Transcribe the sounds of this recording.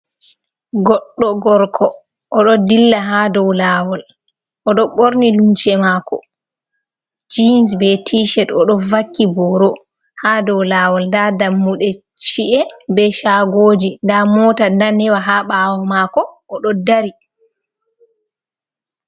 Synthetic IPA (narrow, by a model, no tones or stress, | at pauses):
ɡɔɗːɔɡɔɾkʰɔ | ʔɔɗɔdilːaɦadɔwlawɔl | ʔɔɗɔɓoɾnilumt͡ʃɛmakɔ̰ | d͡ʒinsbɛtʰiʃɛtɔɗɔvakːibɔɾɔ | hadɔwlaːwɔlndadamːuɗɛ | t͡ʃiʔɛbɛʃaɡoːd͡ʒindamɔtandanɛwaɦaɓawɔmakɔʔːɗɔdaɾi